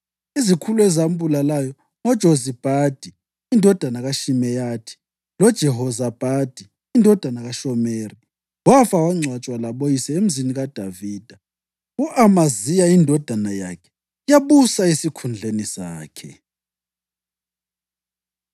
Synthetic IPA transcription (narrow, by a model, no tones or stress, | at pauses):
izikʰuluɛzam̩bulalajɔ | ŋɔd̥ʒ̥ʱozib̥ʱad̥ʱiː | ndʱɔd̥ʱanaɣaʃimɛjatʰi̥ | lɔd̥ʒ̥ʱɛɦɔzab̥ʱad̥ʱiːndʱɔd̥ʱanaɣaʃɔmeːri | wafawaŋ͡ǀʱwat͡ʃʼwalaɓojisɛem̩ziniɣad̥ʱaviːd̥ʱa | uʔamazijaindʱɔd̥ʱanaja̰kʰɛ̥ | ijaɓusaisikʰund͡ɮʱenisa̰ːkʰɛ̰